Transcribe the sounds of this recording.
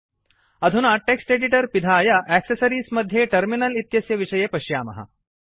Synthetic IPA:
ɐd̪ʱunaʈeksʈeɖiʈəɾpid̪ʱajaʔæksesəɾiːsməd̪ʱːjeʈəɾminəlit̪jɐsjəʋiʂəjepəɕjaːmɐ̰ɦa̰

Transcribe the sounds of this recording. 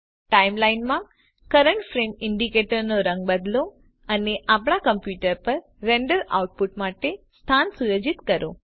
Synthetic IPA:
ʈaimlainmã | kəɾəɳʈfɾemɪɳɖikeʈəɾnoɾəŋɡ̚bəd̪lo | əneʔapɽ̃akəmpjuʈəɾpəɾːeɳɖəɾa̰uʈ̚puʈmaʈest̪ʰansujod͡ʒit̪kəɾo̰

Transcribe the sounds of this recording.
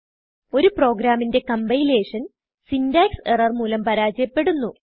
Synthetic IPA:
o̞ɾupro̞ːɡɾaːminde̞kɐmbɐjle̞ːʂɐn | sindaːkserɐrmuːlɐmpɐɾaːd͡ʑɐjɐpːe̞ɽunːu

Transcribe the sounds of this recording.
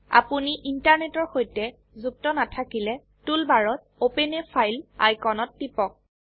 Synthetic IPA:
a̰puniʔintaɹnetɔɹxojtɛ | zup̚tɔnatʰakilɛ | tulbaɹɔt̚openepʰajla̰jkɔnɔtːipɔk̚

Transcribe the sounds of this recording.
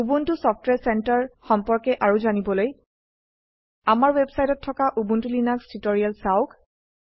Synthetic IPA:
ubuntʊsɔpʰtwɛɹsɛntaɹxɔmpɔɹkɛʔaɹuzanibɔloj | amaɹwebsajtɔtʰːɔkaʔubuntulinakstitɔɹialsaʊk

